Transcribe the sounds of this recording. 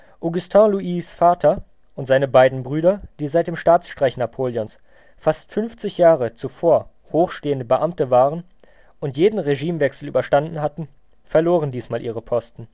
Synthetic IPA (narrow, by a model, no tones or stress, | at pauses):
ʔoɡʊstʰɛ̃luʔiːsfaːtʰɐ | ʔʊntz̥aɪnəbaɪdn̩bʁyːɾɐd̥iːzaɪt̚d̥eːmʃtaːt͡sʃtʁ̥aɪçnapʰoːljɔns | fastfʏnft͡sɪçjaːʁət͡sufoːɐ | hoːxʃteːəndəbəʔamtəvaːʁən | ʔʊntjeːdn̩ʁeʒiːmvɛksl̩ʔyːbɐʃtandn̩hatn̩ | fɛɐloːʁən̩diːsmaːlʔiːʁəpʰɔstn̩